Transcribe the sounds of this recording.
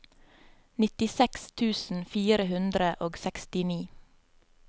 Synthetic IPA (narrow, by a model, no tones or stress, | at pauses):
nɪt̪ɪsɛkst̪ʰʉːsn̩fiːɾəhʉnd̪ɾəʔoːɡsɛkst̪ɪniː